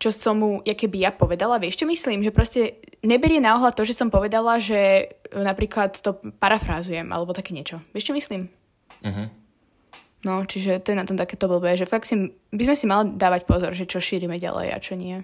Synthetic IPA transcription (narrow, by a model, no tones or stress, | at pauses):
t͡ʃɔsɔmːujakɛbijapɔʋɛd̪alaʋɪɛʃt͡ʃɔmisliːmʒɛpɾɔscɛɲɛbɛɾɪɛnaɔɦlat̪ɔʒɛsɔmpɔʋɛd̪alaʒɛnapɾiːklat̪ːɔpaɾafɾazujɛmʔa̰lɛbɔt̪akɛːɲɪɛt͡ʃɔʋɛʃt͡ʃɔmisliːm | ɦ | nɔt͡ʃiʒɛt̪ɔjɛnat̪ɔmt̪akɛːt̪ɔbl̩ˠbɛʒɛfaksi | bizmɛsimalid̪aːʋacpɔzɔ̰ɾʒɛt͡ʃɔʃiːɾimɛɟa̰lɛ̰ja̰t͡ʃɔɲɪɛ